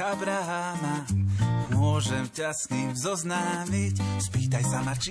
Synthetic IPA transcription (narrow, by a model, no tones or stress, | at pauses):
abɾaɦamamʊɔʒɛmcasnimzɔznaːmicspiːt̪ajsamat͡ʃi